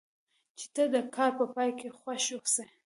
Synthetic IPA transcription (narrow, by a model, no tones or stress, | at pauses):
t͡ʃe̥t̪əd̪əkʰɑɾpəpɑjkexwaʃoxsa